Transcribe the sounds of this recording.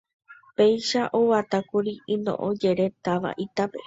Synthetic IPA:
pe̞jʃaʔowat̪akuɾiĩnõ̰ʔõd͡ʒe̞ɾe̞t̪aʋa̰ʔit̪ape̞̰

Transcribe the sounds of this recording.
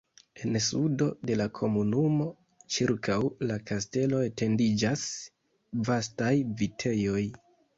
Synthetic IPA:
e̞nsudo̞de̞lakʰo̞munumo̞ | t͡ʃiɾkʰawlakaste̞lo̞e̞te̞ndid͡ʒas | vastajvitʰe̞jo̞j

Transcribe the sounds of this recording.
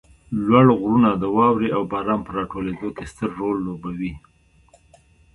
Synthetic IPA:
lwaɽɣɾunad̪əwɑwɾeawbɑɾɑmpəɾɑʈoled̪okest̪əɾːolːobawi

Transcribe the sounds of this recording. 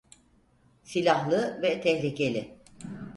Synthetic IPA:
silʲahlˠɯvɛt̪ʰɛhlʲice̞lʲɪ

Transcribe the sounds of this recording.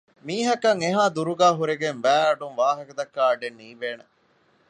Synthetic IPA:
miːɦɐkɐŋeɦaːd̪uɾuɡæːɦuɾeɡenʋæːɐɖunʋaːɦɐkɐd̪ɐkːaːɐɖenːiːʋeːne

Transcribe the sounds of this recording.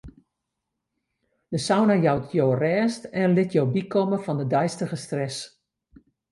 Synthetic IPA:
d̥əsawnajawtjoːrɛːstɛnlɪtʰjowbikʰɔməfɔndədœjstəɣəstrɛs

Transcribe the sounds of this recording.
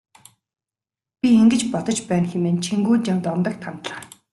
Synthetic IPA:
pʲieŋɡɘ̆t͡ɕpɔt̪ɞ̆t͡ɕpæːnxemeːnt͡ɕʰiŋɡuːt͡ɕamt̪ɔnt̪ə̆k̚t̪ʰant̪ɮaː

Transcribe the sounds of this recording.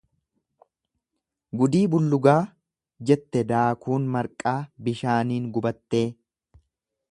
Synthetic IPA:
ɡʊd̪iːbʊlːʊɡaː | d͡ʒɛt̪ːɛd̪aːkuːnmɐɾkʼaːbɪʃaːniːŋɡʊbɐt̪ːe̞ː

